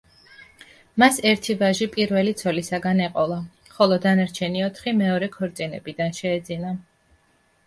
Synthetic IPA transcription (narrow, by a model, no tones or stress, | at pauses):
masɛɾt̪ʰivaʒipʼiɾvɛlit̪sʰɔlisaɡanɛqʼɔlˠa | χɔlˠɔd̪anaɾt͡ʃʰɛniɔt̪ʰχimɛɔɾɛkʰɔɾt̪sʼinɛbid̪anʃɛːd̪zina